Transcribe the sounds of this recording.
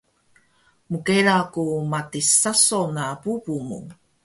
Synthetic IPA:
mukeɾakumatisasonapupumṵ

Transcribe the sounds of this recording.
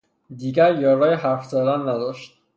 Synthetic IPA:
d̪iːɡæɾjɒːɾɒːjeɦæɾfzɒd̪ænːæd̪ɒːʃt̪̚

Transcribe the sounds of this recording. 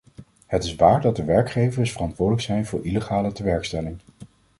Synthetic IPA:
ɦətɪsʋaːɹdɑdəʋɛɹkχejvəsfərɑntʋʊːdələksɛjnvʊːɹʔiləχaːlətəʋɛɹkstɛlɪŋ

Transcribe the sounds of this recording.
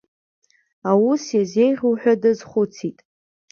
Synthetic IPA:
awusjaze̞jʁʲuwħʷᶣadɨzχʷʊt͡sʰitʼ

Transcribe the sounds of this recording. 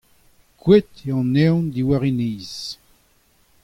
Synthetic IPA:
kwet̪eɑ̃nɛwnd̪iwaʁiniːz̥

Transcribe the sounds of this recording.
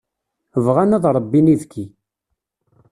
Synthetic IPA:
vʁanæðˤɾˤəbːiniðkʰːi

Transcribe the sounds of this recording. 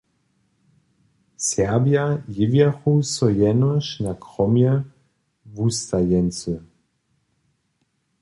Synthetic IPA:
sɛbjajɪvjaxusɔjɛnɔʃnakʁɔmjɛ | vust̪ajɛnt͡sə

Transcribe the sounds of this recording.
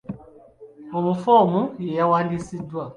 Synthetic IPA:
ɔmũfɔmũjeawadisidua

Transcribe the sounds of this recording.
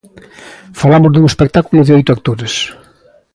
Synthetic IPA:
falamʊzðuŋespek̚t̪akulʊðɪojt̪ʊak̚t̪oɾes

